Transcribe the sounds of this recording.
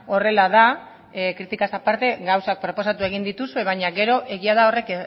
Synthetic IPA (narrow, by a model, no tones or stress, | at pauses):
o̞re̞lað̞a | kɾit̪ikasapaɾt̪e̞ɡawsak̚pɾo̞po̞sat̪ue̞ɣ̞ind̪it̪usue̞βaɲaɡe̞ɾo̞ʔe̞ɣiað̞ao̞re̞k